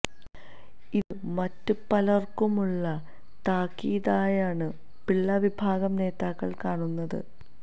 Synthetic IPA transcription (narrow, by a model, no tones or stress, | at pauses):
iðɨmɐtːɨpɐlɐrkumuɭːɐ | t̪aːkːiːðaːjaːɳɨ | piɭːɐʋibʱaːɡɐmne̞ːt̪aːkːɐɭkaːɳunːɐðɨ̰